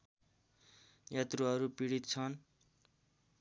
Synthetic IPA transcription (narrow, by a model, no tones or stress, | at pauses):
jat̪ruɦʌɾupiɽit̪t͡sʰʌn